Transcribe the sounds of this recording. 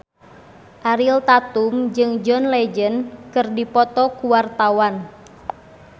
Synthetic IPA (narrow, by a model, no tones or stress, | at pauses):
ʔaɾilt̪at̪umd͡ʒɨŋd͡ʒɔnlɛd͡ʒənkɨrdipɔt̪ɔkuwart̪awan